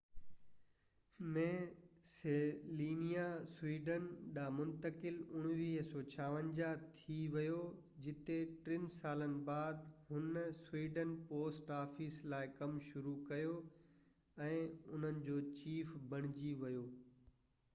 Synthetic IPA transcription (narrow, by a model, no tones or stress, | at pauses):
mẽː | seliːnijaswiːɖənɗaːmʊ̃nt̪əkɪlʊɽ̃ʋiːɦsɔːt͡ɕʰaːʋə̃nd͡ʑat̪ʰiʋɐjo | d͡ʑɪt̪eʈɾɪnsaːlənɪ̆baːd̪ɦʊnswiːɖənpoːsʈaːfiːslaːɪkɐmʃʊɾukɐjo | ɛ̃ːʊn̤ənɪ̆d͡ʑoːt͡ɕiːfbɐɽ̃ɪd͡ʑiʋɐjoː